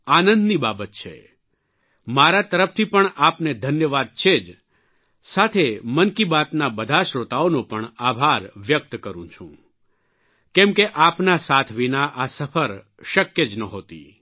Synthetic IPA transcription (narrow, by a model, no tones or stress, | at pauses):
anənd̪nibabət̪̚t͡ʃʰḛ | maɾat̪əɾəft̪ʰipəɳapned̪ʱənjəʋad̪̚t͡ʃʰed͡ʒ | sat̪ʰemənkibat̪nabəd̪ʱaʃɾot̪aonopəɳabʱaɾʋjək̚t̪kəɾũt͡ʃʰṵ̃ | kɛmkeʔapnasat̪ʰʋinaʔasəfʰəɾ | ʃəkjed͡ʒnəɦot̪ḭ